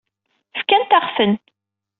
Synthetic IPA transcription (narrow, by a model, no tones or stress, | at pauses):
fkænt̪aχfən